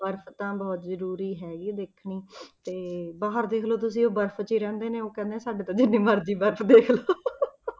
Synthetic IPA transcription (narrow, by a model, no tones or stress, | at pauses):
bəɾpʰt̪ãːbɔːt̪zəɾuːɾiːɦɛːɡiːd̪eːkʰniːt̪eːbaːɦəɾd̪eːkʰloːt̪ʊsĩːoːbəɾpʰt͡ʃiːɾɛ̃ːnd̪eːneːoːkɛ̃ːnd̪ẽːsaːɖeːt̪ãːd͡ʒɪnːĩːməɾd͡ʒiːbəɾpʰd̪eːkʰloː